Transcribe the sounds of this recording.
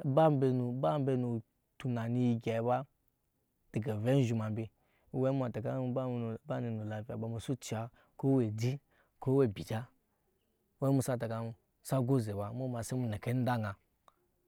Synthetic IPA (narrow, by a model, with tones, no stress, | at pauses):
ba˦m˦be˨nu˨ba˦m˦be˧nu˨ | tu˨na˨ni˧ji˨ɡʲa˨i˨ba˦ | d̥i˨ɡa˨ve˦n˦ʒu˨ma˨mbi˦ | we˦mʷ˦a˨ta˨ka˦˨ba˦ni˨nu˨la˨vi˨a˨ɓa˨mu˨su˦t͡ʃi˨a˨ | ko˦we˨di˦ | ko˦we˦˨bi˨d͡ʒa˦ | we˦mu˦sa˦ta˨ka˨ | sa˦ɡo˦ze˨ba˨˦mu˦ma˨se˦mu˨ne˨ke˦n˦da˦ŋa˨